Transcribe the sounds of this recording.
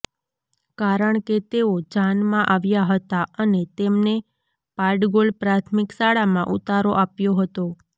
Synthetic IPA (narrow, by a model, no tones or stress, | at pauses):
kaɾəɳket̪eod͡ʒanmãʔaʋjaɦət̪aənet̪emne | paɾɖɡolpɾat̪ʰmiksaɽamãʔṵt̪aɾoʔapjoɦət̪o